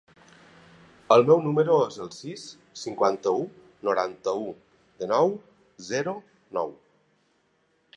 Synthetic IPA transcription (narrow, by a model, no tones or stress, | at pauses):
əlˠmɛwnuməɾoezəlˠsisː | iŋkwant̪əu | noɾant̪əu | d̪inɔw | zɛɾo | nɔ̰w